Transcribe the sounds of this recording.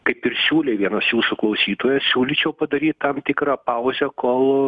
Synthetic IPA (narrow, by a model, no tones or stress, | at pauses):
kɐɪpɪrsʲuːlʲeːʋʲiɛnoːsjuːsʊklˠɐʊsʲiːt̪oːjɛsʲuːlʲit͡ʃʲɛʊpɐd̪ɐɾʲiːt̪t̪ɐmt̪ʲɪkɾɑpɐʊzʲɛkoːlˠ